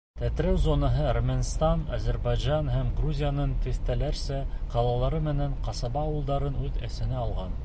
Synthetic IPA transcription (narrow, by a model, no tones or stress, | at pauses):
t̪æt̪ɾæwzonɑɦɤærmʲænst̪ɑnɑ̰zæɾbɑjʒɑnhæmɡruzʲijanɤnt̪ɘθt̪ælæɾsæqɑlˠɑlˠɑɾɤmɘ̆næɴqɑsɑbɑːwɤ̆lˠd̪ɑɾɤnʉðæ̰sɘ̆næɑlˠʁɑn